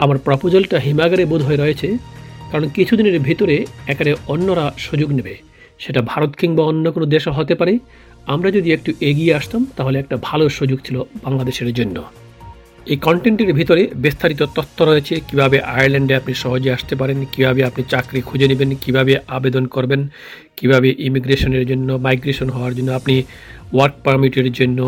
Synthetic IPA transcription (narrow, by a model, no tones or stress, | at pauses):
amaɾpɾɔpod͡ʑolʈaɦimaɡaɾebud̪ʱoeɾɔet͡ɕʰekaɾonkit͡ɕʰud̪ineɾbʱit̪oɾeɛkaɾeonːoɾaʃud͡ʑoɡnibe | ʃeʈabʱaɾot̪kiŋbaonːokonod̪eʃoɦot̪epaɾe | amɾad͡ʑod̪iek̚ʈuʔeɡieaʃt̪amt̪aɦoleɛk̚ʈabʱaloʃud͡ʑoɡ̚t͡ɕʰilobaŋlad̪eʃeɾd͡ʑonːo̰ | ekɔɳʈeɳʈeɾbʱit̪oɾebist̪ʰaɾit̪̬ot̪ɔt̪ʰːoɾoet͡ɕʰekibʱabeʔa̰jaɾlɛɳɖeapniʃɔɦod͡ʑeaʃt̪ep̬aɾenkibʱabeapnit͡ɕakɾikʰud͡ʑenebenkibʱabeʔabed̪onkoɾben | kibʱabeʔimiɡɾeʃoneɾd͡ʑonːomajɡɾeʃonɦɔoaɾd͡ʑonːoapni | waɾk̚paɾmiʈiɾd͡ʑonːo